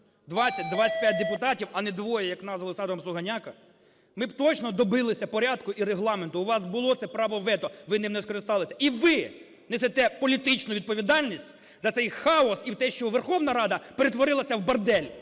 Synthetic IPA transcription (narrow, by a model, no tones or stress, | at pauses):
d̪ʋɑt͡sʲːɐt̚ʲd̪ʋasʲɐ̥t̚ʲpʲjat̚ʲd̪epʊt̪ɑtʲiwɐnɛd̪ʋɔjɛjɐknɑzʋɐlˠɪsɑt̪ɔʋɔmsˠʊɦɐnʲakɐ | mɪbt̪ɔt͡ʃnɔd̪ɔbɪlˠɪsʲɐpɔɾʲɑd̪kʊiɾeɦlˠɑment̪ʊːʋɑsbʊlˠɔt̪sɛpɾɑʋɔʋɛt̪ɔʋɪnɪmnɛskɔɾɪst̪ɑlˠɪsʲɐ̥ʔiʋɪ | nɛset̪ɛpɔlʲit̪ɪt͡ʃnʊʋʲid̪̚pɔʋʲid̪ɑlʲnʲisʲtʲ | zɐt̪sɛjxɑɔsiwt̪ɛʃt͡ʃɔʋerxɔwnɐɾɑd̪ɐpeɾet̪ʋɔɾɪlˠɐsʲɐwbɐrd̪ɛlʲ